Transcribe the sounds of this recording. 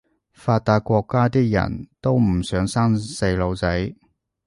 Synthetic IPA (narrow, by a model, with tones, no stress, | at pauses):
faː˧t̚t̪ːaː˧kʷɔː˧kːaː˥t̪iː˥k̚jɐ̰˨˩nt̪o˥wm̩˨˩sœː˨˥ŋsaː˥ŋse˧jlo˨˧wt͡sɐ˨˥j